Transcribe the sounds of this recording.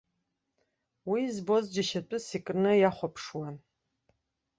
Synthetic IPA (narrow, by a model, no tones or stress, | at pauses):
wizbozd͡ʒɪʃɐtʼʊsikʼnɨjaχʷɔpʰʂwa